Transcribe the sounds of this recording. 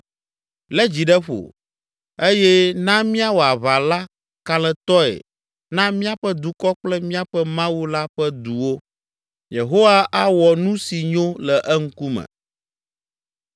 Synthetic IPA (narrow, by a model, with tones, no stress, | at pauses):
lɛ˦d͡ʑi˨ɖɛ˦ɸo̰˨ | e˦jɛ˦nã˦mĩ˦a˦wo˨a˨βa˨la˦ | ka˨lɛ˨t̪ɔ˦ɛ̰˨ | nã˦mĩ˦a˦ɸɛ˦d̪u˨kɔ˦k͡plɛ˦mĩ˦a˦ɸɛ˦mã˦wu˦la˦ɸɛ˦d̪u˨wo˦ | je˨ɦo˦wa˦ʔa˦wɔ˨nũ˦si˨ɲõ˦lɛ˨ʔɛ˦ŋ̩˦ku˦mɛ̰̃˨